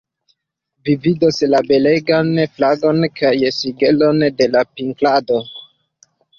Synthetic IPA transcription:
vividoslabe̞leɡanflaɡo̞nkʰajsiɡelo̞nde̞lapiŋklado̞

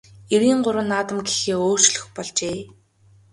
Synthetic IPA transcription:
eɾiːɴɢʊɾwə̆nːaːt̪ə̆mɡexeːoːr̥t͡ɕɮɵ̆xpɔɮt͡ɕeː

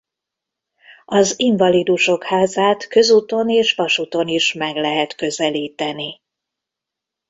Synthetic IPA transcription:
ɒziɱvɒlid̪uʃo̞khaːzaːt̪kø̞zuːt̪o̞neːʃʋɒʃut̪o̞niʃmɛɡlɛɦɛt̪kø̞zɛliːt̪ɛni

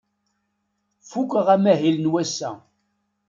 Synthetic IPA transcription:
fukʷːəʁæmæɦilnwæsːæ̰

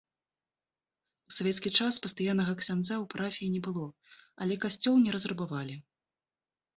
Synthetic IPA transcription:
usavʲɛt̪skʲit͡ʂaspɐst̪ajanːɐɣɐksʲand̪zawpɾʔafʲiinʲɛbɨlˠɔɐ̰lʲɛkasʲt͡sʲɔlˠnʲɛɾɐzrɐbavalʲi

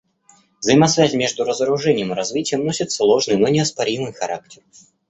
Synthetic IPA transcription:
vzəjmɐsvʲæzʲmʲeʐd̪ʊɾəzəɾʊʐɛnʲɪjəmɨɾazvʲitʲɪjəmnosʲɪt̪slˠoʐnɨjnɔnʲɪɐspaɾʲimɨjxaɾa̰k̚tʲɪr

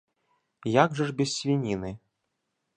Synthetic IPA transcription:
jaɡʐɐʐbʲɛssʲvʲinʲinɨ

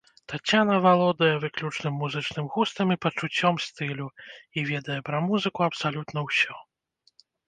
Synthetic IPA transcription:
t̪at͡sʲːanɐvalˠɔd̪ɐjɛvɨklʲut͡ʂnɨmːuzɨt͡ʂnɨmɣust̪ɐmʲipɐt͡ʂut͡sʲːɔmst̪ɨlʲuivʲɛd̪ɐjɛpɾɐmuzɨkuɐpsalʲut̪n̪ɐwsʲɔ

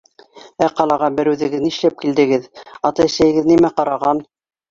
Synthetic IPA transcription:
æqɑlˠɑʁɑbɘ̆ɾʉðɘ̆ɡɘ̆ðniʃlæp̚kild̪ɘ̆ɡɘðɑt̪ɑjɘ̆ʃlæjɘ̆ɡɘðnimæqɑɾɑʁɑn

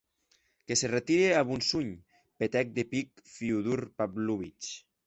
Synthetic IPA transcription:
keseret̪iɾeaβunsuɲ | pet̪ɛk̚d̪epik̚fiuðuɾpabluβit͡ʃ

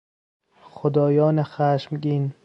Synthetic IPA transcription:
χod̪ɒːjɒːnexæʃmɡin

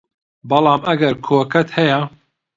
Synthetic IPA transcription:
bɐlˠɑːmɐɡɐɾkʰoːkɐt̪hɛjɐ

